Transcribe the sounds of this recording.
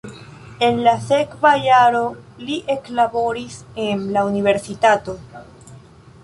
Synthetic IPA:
e̞nlase̞kvajaɾo̞liʔe̞klabo̞ɾisenlaunive̞ɾsitato̞

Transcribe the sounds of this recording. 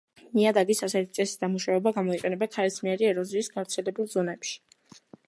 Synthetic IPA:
miad̪aɡisasɛt̪ʰit̪sʼɛsi̥d̪amuʃaɛbaɡamɔiqʼɛnɛbakʰaɾismiɛɾiɛɾɔziːsɡ̥avt̪sʰɛlɛbulˠzɔnɛpʃi̥

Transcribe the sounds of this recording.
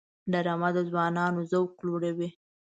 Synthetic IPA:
ɖaɾɑmad̪əzwɑnɑnozawkloɽawi

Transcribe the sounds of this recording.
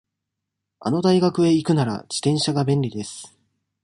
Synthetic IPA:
a̰no̞d̪aiɡakɯ̟e̞ikɯ̟naɾa̰d͡ʑi̥t̪ẽ̞ɰ̃ɕaɡabẽ̞nɾʲid̪e̞sɨ̥

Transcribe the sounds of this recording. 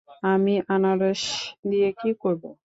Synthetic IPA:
amiʔanaɾeʃd̪ijekikoɾbo

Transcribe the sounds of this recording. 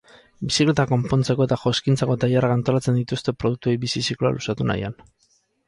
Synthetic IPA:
bisikle̞t̪ako̞mpo̞nt͡se̞ko̞et̪aʝoskint͡sako̞t̪ajarakant̪o̞lat͡se̞nd̪it̪ust̪e̞pɾo̞ð̞uk̚t̪uejbisisikla̰lʔusat̪una̰ja̰n

